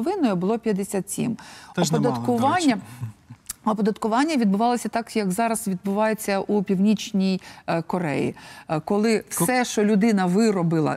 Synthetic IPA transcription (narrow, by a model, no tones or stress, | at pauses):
ɔʋɪnɔjʊbʊlˠɔpʲjɐd̪esʲat̪sʲḭmɔpɔd̪ɐt̪kʊʋɑnʲːɐ | ɔpɔd̪ɐt̪kʊʋɑnʲːɐʋʲid̪bʊʋɑlˠɔsʲɐt̪ɑkjɐkzɑɾɐz̥ʋʲid̪bʊʋɑjet͡sʲːɐʔupʲiwnʲit͡ʃnʲijkɔɾɛ̰jḭkɔlˠɪwsɛʃt͡ʃɔlʲʊd̪ɪnɐʋɪɾɔbɪlˠɐ̰